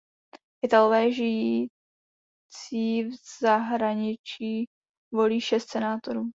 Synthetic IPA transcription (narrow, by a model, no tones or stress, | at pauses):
ʔɪt̪alovɛːʒɪji | t͡siːvz̥aɦɾaɲɪt͡ʃiː | vo̞liːʃɛst̪sɛnaːt̪oɾuː